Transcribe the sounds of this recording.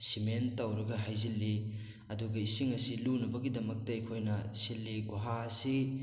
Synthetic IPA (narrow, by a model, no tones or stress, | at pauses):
simentɐwɾɐɡɐɦajzilːi | ɐduɡɐisiŋɐsilunɐbɐɡidɐmɐk̚tɐɐjkʰojnɐsilːiɡuɦaɐsi